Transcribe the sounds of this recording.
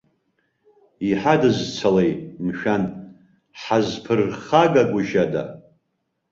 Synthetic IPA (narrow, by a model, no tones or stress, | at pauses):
iħadɨzt͡sʷʰalejtmʃᶣan | ħazpʰɨrχaɡaɡʷʊʒada̰